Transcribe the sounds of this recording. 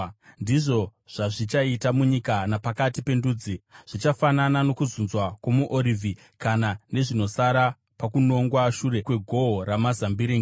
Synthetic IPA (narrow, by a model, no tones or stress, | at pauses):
ndiʐo̞ʐ̥aʐit͡ʃaitamuɲikanapakatipe̞nduːd͡ziʐ̥it͡ʃafananano̞kuzunzwakwamuʔoɾiːvʱi | kanane̞ʐino̞saɾa | pakuno̞ŋɡwaʃuɾe̞kweɡʱo̞oɾamazambiɾeŋɡ